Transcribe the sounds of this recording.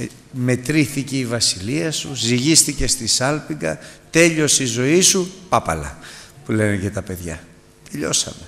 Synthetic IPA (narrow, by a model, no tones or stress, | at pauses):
me̞t̪ɾiθiceivɐsiliɐsuziʝist̪ice̞st̪isɐlpiŋɡɐ̰t̪e̞ʎo̞sizo̞isupɐpɐ̰lɐ̰pule̞nece̞t̪ɐpe̞ðʝɐ̰ | t̪eʎo̞sɐ̰me